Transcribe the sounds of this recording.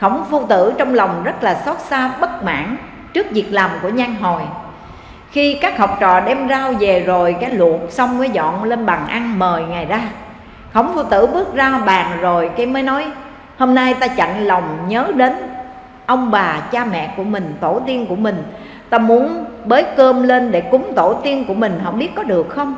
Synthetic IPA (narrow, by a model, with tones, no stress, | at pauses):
xə˧˩wŋ͡mfu˧t̪ɨ̰˧˩˥t͡ɕɔ˧wŋ͡mla˨˩wŋ͡mzə˦˥t̚laː˨˩sɔ˦˥t̚saː˧ɓə˦˥t̚ma̰ː˧˥˨n | t͡ɕɨ˦˥ək̚zi˨˩ək̚laː˨˩mku˧˩əɲa˧jŋɦo˨˩j | xi˧kaː˦˥k̚hɦə˨˩wp̚t͡ɕɔ̰˧˨ɗɛ˧mzaː˧wve˨˩zo˨˩jkaː˨˦jlə̰˧˨ənsa˧wŋ͡mkaː˨˦jzɔ̰˧˨nle˧nɓa˨˩ŋʔa˧nməː˨˩jŋa˨˩jzaː˧ | xə˧˩wŋ͡mfu˧t̪ɨ̰˧˨ɓɨ˦˥ək̚zaː˧ɓaː˨˩ŋzo˨˩jkaː˨˦jməː˨˦jnɔ˨˦j | ho˧mna˧jt̪aː˧t͡ɕa̰˧˨ŋlə˨˩wŋ͡mɲəː˨˦ɗe˨˦n | ʔə˧wŋ͡mɓaː˨˩t͡ɕaː˧mɛ̰˧˨ku˧˩əmï˨˩ŋ̟t̪o˧˩t̪i˧ənku˧˩əmï˨˩ŋ̟ | t̪aː˧mu˨˦ənɓəː˨˦jkəː˧mle˧nɗe˧˩kʊ˨˦ŋ͡mt̪o˧˩t̪i˧ənku˧˩əmï˨˩ŋ̟ɦə̰˧˥wŋ͡mɓi˦˥ət̚kɔ˨˦ɗɨ˨˩ək̚xə˧wŋ͡m